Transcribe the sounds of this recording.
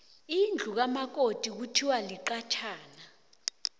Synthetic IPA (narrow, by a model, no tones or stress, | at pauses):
ind͡ɮʱuk̬amak̬otʼik̬utʰiwaliǃat͡ʃʰaːna